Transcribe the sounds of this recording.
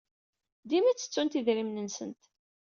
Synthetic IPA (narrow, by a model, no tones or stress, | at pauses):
d̪imæt͡sːə̥t͡sːunt̪iðɾimnənsə̰nt̪